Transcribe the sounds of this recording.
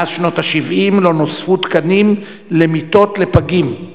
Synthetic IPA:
azʃno̞taʃivʔimlo̞nosfutkanim | le̞mito̞tle̞paɡim

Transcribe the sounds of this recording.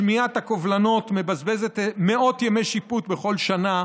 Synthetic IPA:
miat̪hakovlano̞t̪me̞bazbe̞zet̪meo̞t̪jeme̞jʃiput̪beχo̞lʃana

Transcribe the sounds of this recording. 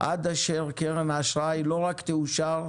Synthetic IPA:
ʔa̰d̪aʃeʁkeʁemaʃʁajlo̞ʁakt̪euʃaʁ

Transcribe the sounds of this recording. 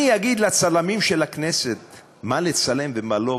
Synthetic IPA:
ijaɡid̪lat͡salamimʃelakneset̪̚ | malet͡sale̞mvemalo̞

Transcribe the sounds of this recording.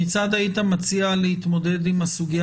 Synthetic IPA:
it͡sad̪ait̪amat͡sialehit̪mo̞de̞d̪imasuɡija

